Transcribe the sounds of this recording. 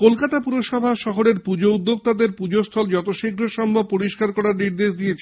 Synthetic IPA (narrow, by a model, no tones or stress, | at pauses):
kolkat̪apuɾoʃɔbʱaʃɔɦoɾeɾpud͡ʑoud̪ːoɡ̚t̪ad̪eɾpud͡ʑost̪ʰɔld͡ʑɔt̪oʃeɡʱɾoʃɔmbʱob̚poɾiʃkaɾkɔɾaɾniɾd̪eʃd̪ijet͡ɕʰe